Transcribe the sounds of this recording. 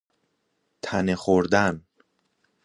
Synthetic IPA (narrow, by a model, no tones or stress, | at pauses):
t̪ʰænexoɾd̪æn